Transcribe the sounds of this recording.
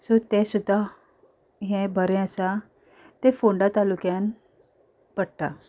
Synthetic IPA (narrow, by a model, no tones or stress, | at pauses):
sot̪esud̪ʱa | ɦẽbʱəɾɛ̃əsa | t̪efoɳɖat̪alukjãn | pəɽʈ̪a